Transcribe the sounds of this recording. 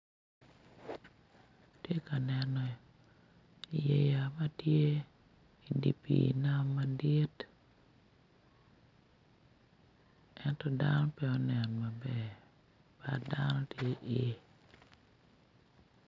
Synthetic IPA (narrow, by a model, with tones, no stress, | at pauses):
tje˦ka˨nɛ˨nɔ˨ | i˨je˦ja˨ma˦tje˦ | i˨dḭ˨pḭna˦ma˦di˦t | ɛ˦ntɔ˨danɔ˦pɛ˦ɔ˦nɛ˨nɔma˨bɛ˦˨ | pada̰nɔ˦tje˦ʔi˨